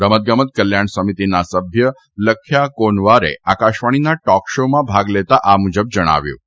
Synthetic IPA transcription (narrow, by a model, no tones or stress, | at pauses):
ɾəmət̪̚ɡəmət̪̚kəljaɳsəmit̪inasəbʱjə | ləkʰːjakoɳʋaɾḛakaʃʋaɽ̃inaʈɔkʃomãbʱaɡlet̪aʔamud͡ʒəb̚d͡ʒəɽ̃a̰ʋjṵ̃ː